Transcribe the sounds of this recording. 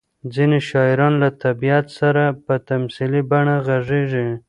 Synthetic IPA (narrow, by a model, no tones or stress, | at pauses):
d͡zineʃɑɪɾɑnlat̪abijat̪saɾapət̪amsilibaɳaɣaʐeʐi